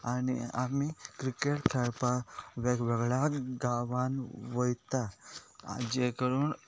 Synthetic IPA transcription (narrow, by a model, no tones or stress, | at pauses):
anḭa̰mikɾikeʈkʰɛɭpaʋekʋɛɡɭaɡaʋanʋəjt̪a̰ | d͡ʑekəɾuːn